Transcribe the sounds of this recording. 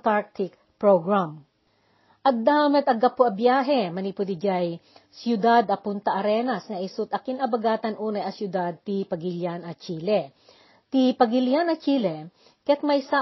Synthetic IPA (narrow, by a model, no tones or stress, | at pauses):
t̪aɹk̚t̪ʰɪk̚ | pɹoɡɹam | ʔɐt̚d̪aːmɐt̪ɐɡɐpoʔɐbjaːɦɛmɐnipʊd̪id͡ʒajsjʊd̪ad̪ɐpʊnt̪ɐʔɐɾɛːnɐsŋɐʔɪsʊt̪ʔɐkinɐbɐɡaːt̪ɐnʔuːnɐʔɐsjʊd̪ad̪̚t̪ipɐɡiljanɐt͡ʃiːlɛ | t̪ipɐɡɪljanɐt͡ʃiːlɛ | kɛt̪̚mɐjsa